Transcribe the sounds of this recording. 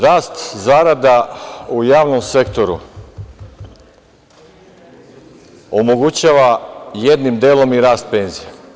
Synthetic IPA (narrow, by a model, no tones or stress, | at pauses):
ɾaːst̪zaːɾad̪aujaːʋno̞mse̞kt̪o̞ɾṵ | omo̞ɡut͡ɕaːʋajed̪nimd̪eːlˠo̞miɾaːst̪̚pe̞ːnzije